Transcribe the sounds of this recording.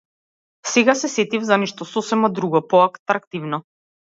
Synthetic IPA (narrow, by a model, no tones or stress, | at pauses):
sɛɡasɛsɛt̪ivzanɛʃt̪ɔsɔsɛmad̪ɾuɡɔpɔakt̪ɾakt̪ivnɔ